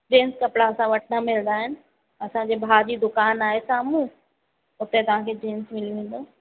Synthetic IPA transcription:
d͡ʑeːnskɐpɽaɐsãʋɐʈ̚ʰnamɪlnd̪aːɦɪnɪ̆ | ɐsãd͡ʑeːbʱaːd͡ʑiːd̪ʊkaːnaːɦesaːmũ | ʊt̪et̪ɐʋ̤ãkʰeːɖeːnsmɪliʋẽːn̆d̪oː

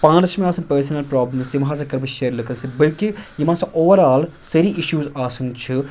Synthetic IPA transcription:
pãːnt͡ʃʰmẽaːsɐnpəːɾsnɐlpɾaːbləmzt̪imɦãːs̬ɐkɐɾbɐʃeːɾlɐkənsibɐlkijimãːsɐ̃ʔoːʋɐɾaːl | sɐɾiʔɪʃjuːzaːsɐŋɡt͡ʃʰi

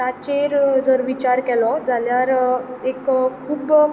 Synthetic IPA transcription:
at͡ɕeɾd͡zəɾʋit͡ɕaɾkɛlɔd͡zʱaljaɾekkʰuːb

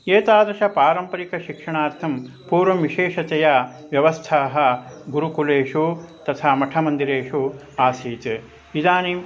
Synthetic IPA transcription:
eːt̪aːd̪ɐʃɐpaːɾɐmpɐɾikɐʃikʂɐɳaːɾt̪ʰɐm | puːɾʋɐmʋiʃeːʂɐtɐja | ʋjɐʋɐst̪ʰaːɦɐ̆ɡuɾukuleːʂut̪ɐt̪ʰaːmɐʈʰɐmɐnd̪iɾeːʂu | aːsiːt̪ | ʋid̪aːniːm

